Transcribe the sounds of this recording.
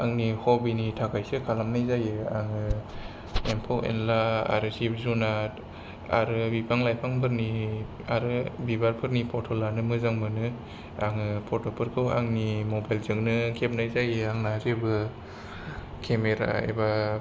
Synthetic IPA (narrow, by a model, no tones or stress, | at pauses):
aŋnihɔbinitʰakʰajsɯkʰalamnajzajɯaŋɯ | empʰowḛnlaa̰ɾɯsip̚zuna | a̰ɾɯbipʰaŋlajpʰaŋpʰɯɾni | aɾɯbibaɾpʰɯɾnipʰɔtʰɔlanɯmɯzaŋmɯnɯ | aŋɯpʰɔtʰɔpʰɯɾkʰɯwa̰ŋnimobajlzɯŋnɯkʰep̚najzajɯaŋnazebɯ | kʰemeɾa̰ḛba